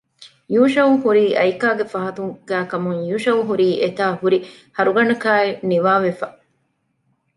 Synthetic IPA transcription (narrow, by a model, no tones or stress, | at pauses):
juːʃɐʋuhuɾiːʔɐjkaːɡefɐɦɐt̪uŋɡ̥æːkɐmuŋjuːʃɐʋuɦuɾiːʔet̪aːhuɾi | hɐɾuɡɐɳɐkaːeniʋaːʋefɐ